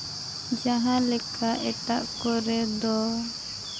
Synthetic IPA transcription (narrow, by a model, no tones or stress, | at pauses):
d͡ʒaɦãlɛkʰaʔɛʈaʔkɔɾɛd̪ɔ